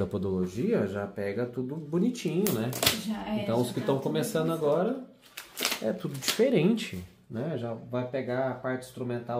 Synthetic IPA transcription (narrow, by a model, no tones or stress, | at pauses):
ɐpod̪oloʒiɐʒapɛɡɐt̪ud̪ʊbunit͡ʃĩɲʊnɛʒaẽnt̪ɐ̃w̃ʊskɪt̪ɐ̃w̃kõmesɐ̃nd̪ʊaɡɔɾɐ | ɛt̪ud̪ʊd͡ʒifeɾẽnt͡ʃɪ | nɛʒavajpeɡaɐpaɾt͡ʃɪĩst̪ɾumẽnt̪a